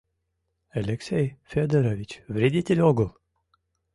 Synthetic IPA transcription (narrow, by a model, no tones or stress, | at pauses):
alʲeksʲejfead̪eɾovʲit͡ʃʲvɾid̪ʲit̪ʲilʲoɡul